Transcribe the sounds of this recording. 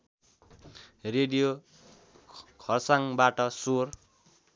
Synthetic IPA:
reɖijo | kʰʌrsaŋbaʈʌsor

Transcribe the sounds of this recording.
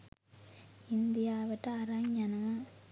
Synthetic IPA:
ɪnd̪ɪjaːʋɐʈːaaːɾaːɲana

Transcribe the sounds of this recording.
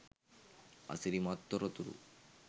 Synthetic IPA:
a̰siɾimat̪ːɔɾot̪uɾṵ

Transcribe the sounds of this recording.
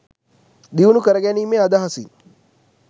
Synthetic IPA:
d̪iʋunukəɾəɡɛniːmeɐd̪aɦɐsḭ

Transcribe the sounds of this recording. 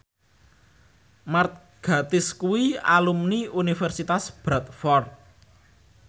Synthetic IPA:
mart̪̚ | ɡ̥a̤t̪ɪskuwia̰lumniunifɛrsit̪asb̥ɾat̪̚fɔrt̪̚

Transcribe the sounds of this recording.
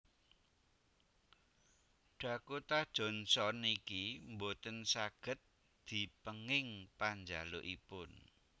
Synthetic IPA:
ɖ̥ä̤kot̪ad̥ʒ̥ɔ̤nsɔnikimbot̪ənsaɡ̥ə̤t̪̚ | d̪̥i̤pəŋɪŋpaɲd͡ʒaloʔipʊn

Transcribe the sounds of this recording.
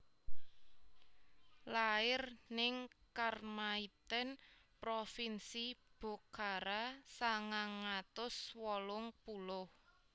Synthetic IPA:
laɪrnɪŋkarmait̪ɛnpɾofinsib̥o̤kaɾasaŋaŋat̪ʊswɔlʊŋpulʊh

